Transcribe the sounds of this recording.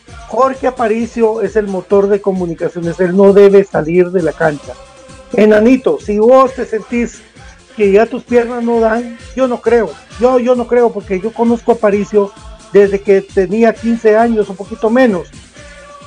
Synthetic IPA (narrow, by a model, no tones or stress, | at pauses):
xoɾkeapaɾisjoe̞se̞lmot̪o̞ɾðe̞ko̞mũnikasjo̞nese̞lnoðeβesaliɾðe̞lakant͡ʃa | enanit̪osiβost̪e̞se̞nt̪is | keʝat̪uspje̞ɾnasnoðaŋɟ͡ʝonokɾeoʝoʝono̞kɾeopoɾkeʝo̞konoskoapaɾisjod̪ezðe̞ket̪eniakinseaɲosopokit̪omẽ̞nos